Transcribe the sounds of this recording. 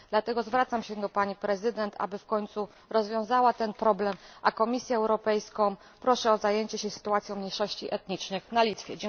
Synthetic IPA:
d̪̥lat̪ɛɡɔzvɾat̪samɕɛd̪ɔpaɲipɾɛzɘd̪ɛnt̪ʰa̰bɘfkɔɲʲt̪su | ɾɔzvʲjɔ̃w̃zawat̪ɛnpɾɔblɛmʔakɔmʲisʲjɛːwɾɔpɛjskɔ̃ | pɾɔʂɛɔzajeɲt͡ɕɛɕɛsɘ̥t̪uat̪sʲjɔ̃wmɲejʂɔɕt͡ɕiʔɛt̪ɲit͡ʂnɘxnalʲit̪fʲjɛd͡ʑɛ

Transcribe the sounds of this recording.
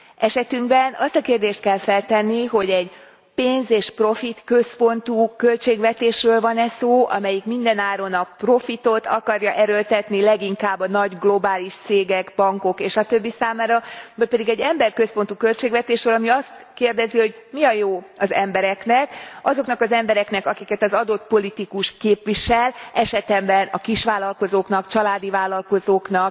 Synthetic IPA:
ɛʃɛt̪yŋɡbɛnɒst̪ɒkeːrd̪eːʃt̪̚kɛlfɛlt̪ɛnːiɦo̞ɟɛɟ | peːnzeːʃpro̞fit̪kø̞spo̞nt̪ukølt͡ʃeːɡvɛt̪eːʃrøːlvɒnɛsoːʔɒ̰mɛjikmind̪ɛnaːɾo̞nɒpro̞fit̪o̞t̪ʰɒkɒɾjɒʔɛɾølt̪ɛt̪nilɛɡiŋkaːbːɒnɒɟɡlo̞baːliʃt̪seːɡɛɡbɒŋko̞keːʃɒt̪ø̞bːisaːmaːɾɒbølpɛd̪iɡɛɟːɛmbɛrkøspo̞n̪t̪ukø̞lt͡ʃeːɡvɛt̪eːʃɾøːlɒmiɒst̪keːrd̪ɛziho̞ɟmiɒjoːɒzɛmbɛɾɛknɛkɒzo̞knɒkɒzɛmbɛɾɛknɛkɒkikɛt̪ɒzɒd̪o̞t̪po̞lit̪ikuʃkeːpʋiʃɛlɛʃɛt̪ɛmbɛnɒkiʃʋaːlɒlko̞zoːknɒkt͡ʃɒlaːd̪ivaːlːɒlko̞zoːknɒk

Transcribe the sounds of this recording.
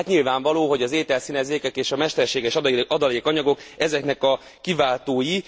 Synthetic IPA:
t̪ɲilvaːɱvɒloːɦo̞ɟɒzeːt̪ɛlsinɛzeːkɛkeːʃɒmɛʃt̪ɛrʃeːɡɛʃɒd̪ɒleːkɒɲɒɡo̞kɛzɛknɛkɒ | kivaːlt̪oːji

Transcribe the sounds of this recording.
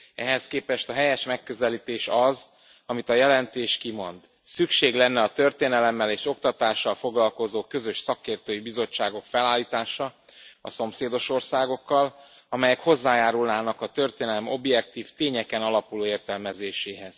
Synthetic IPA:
ɛɦɛskeːpɛʃt̪ɒɦɛjɛʃmɛkːø̞zɛliːt̪eːʃɒz | ɒmit̪ɒjɛlɛnt̪eːʃkimo̞nd̪ | sykʃeːɡlɛnːɛɒt̪ø̞rt̪eːnɛlɛmːɛleːʃo̞kt̪ɒt̪aːʃːɒlfo̞ɡlɒlko̞zoːkø̞zø̞ʃsɒkeːrt̪øːjibizo̞t͡ʃːaːɡo̞kfɛlaːlːiːt̪aːʃɒɒso̞mseːd̪o̞ʃo̞rsaːɡo̞kːɒl | ɒmɛjɛkho̞zːaːjaːɾulnaːnɒkɒt̪ø̞rt̪eːnɛlɛmo̞bjɛk̚t̪iːft̪eːɲɛkɛnɒlɒpuloːeːrt̪ɛlmɛzeːʃeːɦɛz̥

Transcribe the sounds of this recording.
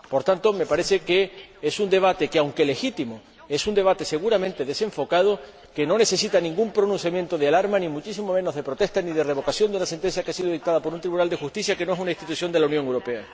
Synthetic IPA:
po̞ɾt̪ant̪o̞me̞paɾe̞θeke̞esund̪e̞β̞at̪e̞keawŋke̞le̞xit̪imo | e̞sund̪e̞β̞at̪e̞se̞ɣ̞uɾamẽnt̪e̞ðe̞sẽ̞ɱfo̞kað̞o | ke̞no̞ne̞θe̞sit̪anĩŋɡumpɾo̞nũn̟θ̬jamje̞nt̪o̞ð̞ealaɾmanĩmut͡ʃis̬imo̞mẽ̞noɦðe̞pɾo̞t̪eht̪aniðe̞re̞β̞o̞kasjo̞nd̪eunase̞nt̪ensθjakeasiðoðik̚t̪aðapo̞ɾunt̪ɾiβunald̪e̞xust̪iθjake̞no̞esunaiht̪it̪uθjo̞nd̪e̞launjoŋewɾo̞pe̞a

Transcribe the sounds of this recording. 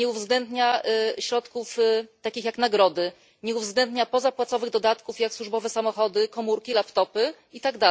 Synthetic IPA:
ɲɛuvzɡlɛnd̪ɲaɕɾɔt̪kuft̪akʲixjaknaɡɾɔd̪ɘ | ɲɛuvzɡlɛnd̪ɲapɔzapwat̪sɔvɘɣd̪ɔd̪at̪kufjakswuʐbɔvɛsamɔxɔd̪ɘkɔmuɾkʲilapt̪ɔpɘ | it̪aɡd̪a

